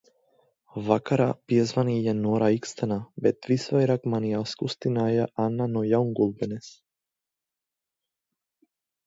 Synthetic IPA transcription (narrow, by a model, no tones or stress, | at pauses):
vakaɾapjɛzvanijanoɾaikst̪anabɛt̪visvajɾakmanialskust̪inajaʔanːanɔjauŋɡulˠbɛnɛs